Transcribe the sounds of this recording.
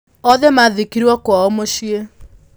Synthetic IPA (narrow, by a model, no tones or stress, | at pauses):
ɔðemaðikiɾwakwaɔmoʃie